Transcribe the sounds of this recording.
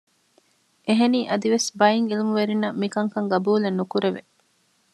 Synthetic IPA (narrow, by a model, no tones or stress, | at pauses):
eɦeniːʔɐd̪iʋesbɐiŋilimuʋeɾinːɐmikɐŋkɐŋɡɐbuːlenːukuɾeʋḛ